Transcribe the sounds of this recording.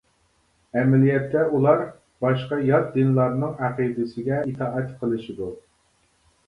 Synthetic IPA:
ɛmɛlijɛt̪ːɛulˠɑɾ | bɑʃqɑjɑɾd̪ɪnlˠɑɾnɨŋæqid̪ɪsɪɡʲɛit̪ʰɑːʔɛt̪qʰəlˠɨʃid̪u

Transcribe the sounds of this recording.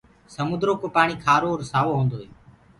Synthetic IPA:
səmʊd̪ɾoːkoːpaːɳiːkʰaːɾoːɾsaːʋoːɦũːnd̪oːɦeː

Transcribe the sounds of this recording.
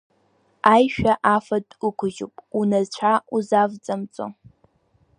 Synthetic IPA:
aːjʃᶣaʔaːfɐdʼʊkʷʰʊʒṵpʼunɐzt͡ɕʷʰauzaːvt͡sʼɐmt͡sʼɨ̰

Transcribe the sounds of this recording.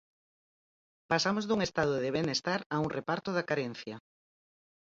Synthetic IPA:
pasamozðuŋest̪að̞ʊðeβenest̪aɾauŋrepaɾt̪ʊðakaɾɛn̟θjɐ

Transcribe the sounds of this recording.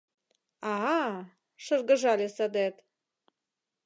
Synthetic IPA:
ɑɑ | ʃɤrɣə̆ʒɑlʲesɑd̪et̪

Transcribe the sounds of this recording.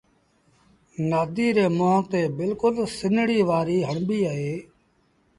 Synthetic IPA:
naːd̪iːɾeːmõːt̪eːbɪlkʊlsɪnɽiːʋaːɾiːɦəɳbiːaɦeː

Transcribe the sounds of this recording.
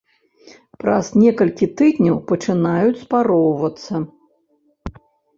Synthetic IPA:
pɾaz̥nʲɛkɐlʲkʲit̪ɨd̪ʲnʲɐwpɐt͡ʂɨnajut͡sʲspaɾɔwvɐt̪sːɐ

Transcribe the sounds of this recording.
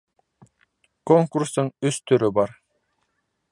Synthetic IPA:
kɔŋkuɾsɯŋyst̪øɾybɑɾ

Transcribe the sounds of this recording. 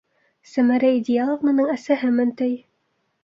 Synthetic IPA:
sæmæɾæid̪ʲɪalˠovmɤ̆nɤɴæsæɦɘmɘ̆nt̪ɵj

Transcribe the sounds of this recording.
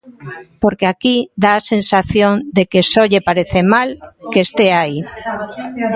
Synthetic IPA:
poɾkeakid̪aːsẽnsaθjõnd̪ekesoʎepaɾeθemalkeːst̪eai

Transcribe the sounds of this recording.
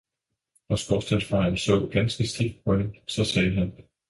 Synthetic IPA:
ɒ̽sɡ̥ɒsd̥ænsfɑ̈nsɔ̰̽ʊɡ̥ænsɡ̥əsd̥iɡ̥̚d̥̚pʰɒ̽demsɒ̽sɛːɦæn

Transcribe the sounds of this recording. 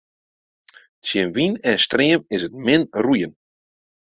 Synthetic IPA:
sjənʋinɛnstrɪəmɪsət̚mɪnrujən

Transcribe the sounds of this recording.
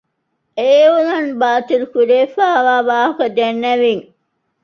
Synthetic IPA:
eːulɐnbaːt̪ilkuɾeːfaːʋaːbaːɦɐkɐd̪enːɐʋiŋ

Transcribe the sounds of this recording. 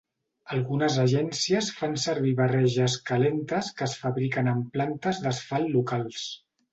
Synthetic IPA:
əlˠɣunəzəʒɛnsiəsfansəɾβ̞iβərɛʒəskəlent̪əskəsfəβɾikənəmplant̪əzðəsfalˠːukalˠs

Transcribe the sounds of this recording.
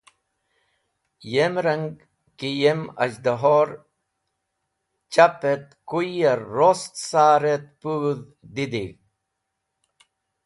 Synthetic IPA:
jemɾəŋɡ | kijemɐ̰d͡ʑd̪aɦoɾ | t͡ɕapet̪̚kuaːost̪saːɾet̪̚puð | d̪id̪i

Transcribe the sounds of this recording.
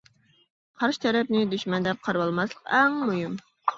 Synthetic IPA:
qʰɑɾʃɨ̥t̪ʰɛɾɛp̚nɪd̪yʃmɛnd̪ɛp̚qʰɑɾwɑlˠmɑslˠə̥qɛŋmujum

